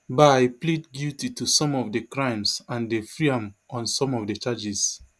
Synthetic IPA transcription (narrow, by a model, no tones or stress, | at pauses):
bajplidɡiltitusɔ̃mɔvdəkɹãɪ̃msãndefɹiãmɔ̃nsɔ̃mɔvdət͡ʃad͡ʒis